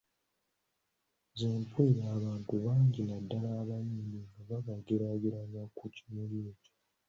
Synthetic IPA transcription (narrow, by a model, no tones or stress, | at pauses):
zeːmpʰuiɾaːβaːntuβaːɲɟinadːalaːβaɲːiminoβaβaɡeɾaɟiɾaɲakucinuleːco̥